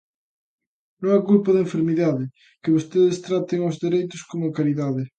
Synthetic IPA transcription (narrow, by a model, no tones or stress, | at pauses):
nõŋakulpɐðɐẽɱfeɾmiðaðɪ | kɪβost̪eðɪst̪ɾat̪eŋowzðeɾejt̪ʊskomʊɐkaɾiðaðɪ